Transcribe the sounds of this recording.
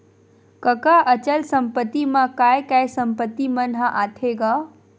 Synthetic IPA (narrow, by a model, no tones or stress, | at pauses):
kəkaʔət͡ɕəlsɐmpət̪ːimãkaːjkaːjsɐmpət̪ːimɐnɦãʔaːt̪ʰeɡaː